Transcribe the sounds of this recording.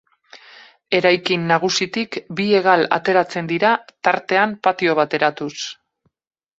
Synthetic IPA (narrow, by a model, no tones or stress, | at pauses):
e̞ɾajkinːaɣ̞usit̪ikbie̞ɣ̞ala̰t̪e̞ɾat͡se̞nd̪iɾat̪aɾt̪e̞ampat̪io̞β̞at̪e̞ɾat̪us